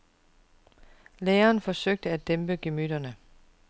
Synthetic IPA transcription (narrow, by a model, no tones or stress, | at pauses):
leːɐːnfɒ̽søɡ̥̚d̥əæd̥emb̥əɡ̥e̝myd̥ɐnə